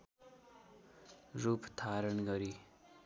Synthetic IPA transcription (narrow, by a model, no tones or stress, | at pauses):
rupt̪ʰaɾʌnɡʌɾi